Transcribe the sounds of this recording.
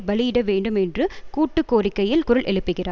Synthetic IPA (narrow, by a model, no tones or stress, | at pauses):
bɐɭɪjɪɽɐʋeːɳɖɯmɛndrɯkuːʈːɯkːoːrɪkːɐjɪlkʊɾɯɭʔɛ̰ɭɯpːɯɣɪraː